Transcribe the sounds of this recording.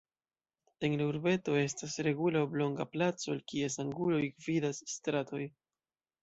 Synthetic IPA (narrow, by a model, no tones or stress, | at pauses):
e̞nlauɾbe̞to̞e̞stasɾe̞ɡulaoblo̞ŋɡaplat͡so̞alkie̞s̬aŋɡulo̞jɡvidasstɾato̞j